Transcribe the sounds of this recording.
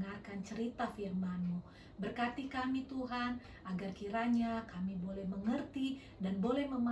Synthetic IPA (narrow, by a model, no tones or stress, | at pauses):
ŋarkant͡ʃəɾit̪afirmanmu | bərkat̪ikamit̪uɦan | ʔaɡarkiɾaɲakamibolɛhməŋərt̪i | danbolɛhməma